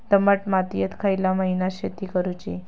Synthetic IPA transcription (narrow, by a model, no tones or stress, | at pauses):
d̪əməʈmat̪ijət̪kʰajlaməɦinaɕet̪ikəɾut͡ɕi